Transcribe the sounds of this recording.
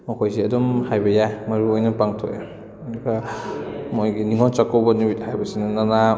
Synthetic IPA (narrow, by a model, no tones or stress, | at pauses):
mɔkʰojseɐdɔmhajbɐjajmɐɾuojnɐpaŋtʰoj | dɐɡa | mojɡiniŋɔnt͡ʃakɔwbɐnimit̚hajbɐsinɐnana